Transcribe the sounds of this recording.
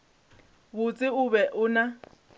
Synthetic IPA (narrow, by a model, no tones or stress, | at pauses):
bʊt͡sʼɪʊbɛʔʊna